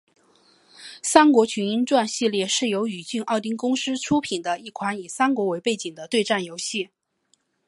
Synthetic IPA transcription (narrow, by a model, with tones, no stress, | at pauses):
sa˥nkwɔ˧˥t͡ɕʰy˧˥ni˥nʈ͡ʂwa˥˧nɕi˥˧ljɛ˥˧ʂɻ̩˥˩jo˧˥ʊy˨˩t͡ɕy˥˧nɑ˥˩ʊt̪̬i˥ŋkʊ˥ŋʂɻ̩˥ʈ͡ʂʰu˥pʰi˨˩nd̪ə˦i˥˩kʰwa˧˥ni˨˩sa˥nkwɔ˧˥we˧˥ɪpe˥˩ɪt͡ɕi˨˩ŋd̪ə˦t̪we˥˧ɪʈ͡ʂa˥˩njo˧˥ʊɕi˥˩